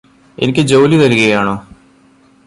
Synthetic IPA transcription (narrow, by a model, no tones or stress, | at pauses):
e̞̰nikʲːɨd͡ʑo̞wlit̪ɐɾuɣɐjaːɳoː